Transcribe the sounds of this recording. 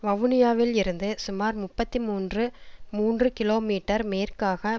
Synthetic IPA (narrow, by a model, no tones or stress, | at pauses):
ʋɐʋʊnɪjaːʋɪlɪɾɯnd̪ɯsʊmaːɾmʊpːɐt̪ːimuːndrɯmuːndrɯkɪloːmiːʈːɐɾmeːrkaːɣɐ